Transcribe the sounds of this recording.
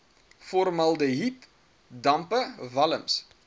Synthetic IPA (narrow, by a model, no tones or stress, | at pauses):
fɔrmɐlˠdəɦit | dɐmpəvɐləms